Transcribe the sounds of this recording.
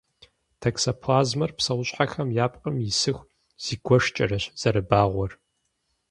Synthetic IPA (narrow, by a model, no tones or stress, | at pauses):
tʰɐksɐpʰlaːzmɐrpsɐwʊɕʼħaxɐmjaːpʼqʼɐmjɪsɨxʷ | z̥iːɡʷɔʂt͡ʃʼɐrɐɕz̥ɐɾɨbaːʁʷɔr